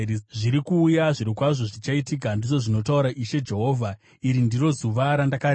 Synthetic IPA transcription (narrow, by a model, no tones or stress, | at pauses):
ʐiɾikuːjaʐiɾikwaʐo̞ʐit͡ʃaitik̬andiʐo̞ʐino̞tauɾaʔiʃe̞d͡ʒe̞ɦo̞ːvʱa | iɾindiro̞zuʋaɾandakaɾ